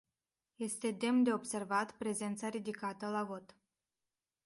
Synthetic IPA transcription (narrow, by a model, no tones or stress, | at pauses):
je̞st̪e̞d̪e̞md̪e̞o̞bse̞rvat̪pɾe̞ze̞nt̪saɾid̪ikat̪əlavo̞t̪